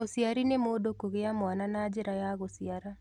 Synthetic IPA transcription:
osiaɾinemodokoɣejamwananad͡ʒɪɾajaɣosɪaɾa

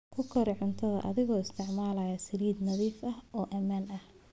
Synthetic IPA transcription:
kʰʊkʰɐɾɪʕʊnt̪ʰɐðɐ̰ʔɐ̰ðɪɣɔːɪst̪ʰɪʕmaːlɐjɐsɐliːd̪nɐðiːfɐhɔːʔɐmaːnɐh

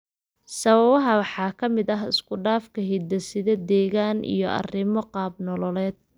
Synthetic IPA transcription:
sɐβɐβɐɦɐwɑħɑːkʰɐmɪd̪ɐɦɪ̰skʰʊɖaːfkʰɐɦid̪ɐsɪðɐd̪ɛːɣaːnʔḭjɔʔɐ̰rɪmɔqɑːbnɔlɔlɛːd̪̚

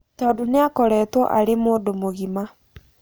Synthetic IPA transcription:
tɔːdoneakɔɾɛːtwɔ̰ʔaɾemoːndomoɣima

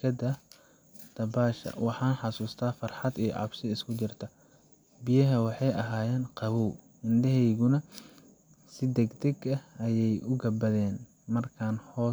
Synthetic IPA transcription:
kʰɐd̪ɐ | d̪̥ɐbaːʃɐ̰wɑħɑːnħɑsuːst̪ʰaːfɑrħɑd̪ijɔ̰ʕɑ̰bʃɪɪskʰʊt͡ʃɪrt̪ʰɐ | bɪjɐɦɐwɑħɑjɐɦaːjɛːnqɑβɔw | ɪnd̪ɐɦɛjɣʊnɐ | sɪd̪ɛɡd̪ɛɡɐɐjɛjʔʊɡɐbɐðɛːn | mɐrkʰaːnhɔː

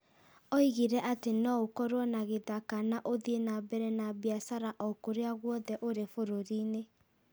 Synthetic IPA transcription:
ɔiɣiɾɛʔatenɔokɔɾwɔnaɣeðakanaʔoðienabɛɾɛnabeasaɾaʔɔkoɾeaɣwɔðɛʔoɾefoɾoɾine

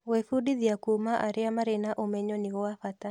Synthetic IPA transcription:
wefudiðiakumaʔaɾɪamaɾenaʔomɛɲɔniɔafat̪a

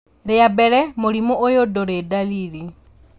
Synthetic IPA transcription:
ɾeabɛɾɛmoɾimoʔojodoɾedaliði

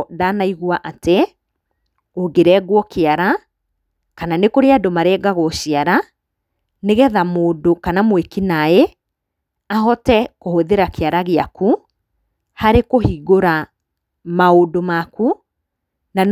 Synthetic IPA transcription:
daːnaiɣwaʔate | oɡeɾɛɡwɔkʰeaɾa | kananekoɾeadomaɾɛːɡaɣɔʃiaɾa | neɣɛðamoːdokanamwekinae | aɦɔtɛkohoðeɾakeaɾaɣeaku | haɾekohiːɣoɾa | maodomaku | nan

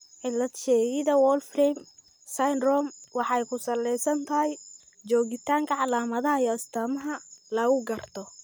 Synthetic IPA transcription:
ʕɪlːɐd̪ʃɛːɣɪðɐwɔːlfrɛm | sajnrɔmwɑħɑjkʰʊsɐlːɛjsɐnt̪ʰɐɦɛj | t͡ʃɔːɣɪt̪ʰaːŋkʰɐʕɑlaːmɐðɐɦɐijɔɐst̪ʰɐmɐɦɐlɐɣʊɡɐrt̪ʰɔ

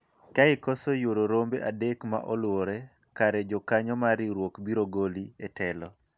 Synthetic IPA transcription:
kaɪkɔsojoɾoɾombeʔadekma̰ʔɔlwoɾɛ | kaɾɛd͡ʒɔkaɲɔmaɾiɾwokbiɾoɡolietɛlɔ

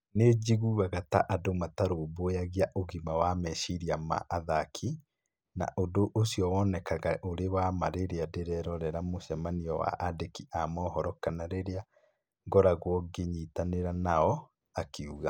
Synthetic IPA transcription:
ned͡ʒiɣuɣaɣata̰ʔadomataɾoːbojaɣiaʔoɣimawamɛʃiɾiama̰ʔaðakʰi | na̰ʔodoʔosjɔwɔnɛkaɣaʔoɾewamaɾeɾeadeɾɛɾɔɾɛɾamoʃamaniɔwa̰ʔadekiamɔhɔɾɔkanaɾeɾea | ŋɡɔɾaɣwɔɡeɲitaneɾanaɔ | akeuɣa

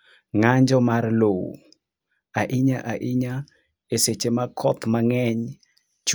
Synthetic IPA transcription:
ŋaɲd͡ʒɔmarlowṵ | aʔiɲaʔaʔiɲa | eset͡ʃemakʰɔt̪maŋɛɲ | t͡ʃ

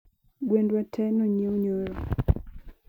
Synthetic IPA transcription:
ɡwendwatʰɛnoɲeoɲoɾɔ

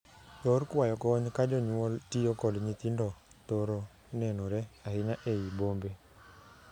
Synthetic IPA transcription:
jɔɾkwajɔkɔɲkad͡ʒɔɲwɔltijokɔdɲit̪indɔ | t̪oɾo | nɛnoɾɛahɪnaʔeibombe

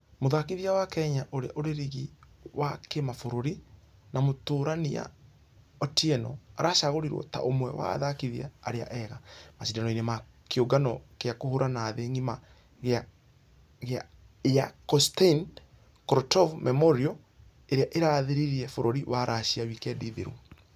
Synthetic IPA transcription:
moðakiðiawakɛɲaʔoɾeaʔoɾeɾiɣi | wakemafoɾoɾi | namotoːɾania̰ | ɔtiɛnɔ̰aɾaʃaɣoɾiɾwɔ̰ta̰ʔomwɛwa̰ðakiðia̰ːɾea̰ʔɛɣamasidanɔinema | keoɡanɔkeakohoɾanaðeŋima | ɣ | ɣa | eakɔstein | kɾɔtɔvmɛmɔɾiɔ | eɾeaʔeɾaðeɾiɾiɛfoɾoɾiwaɾʔaɕiawikɛdiðeɾṵ

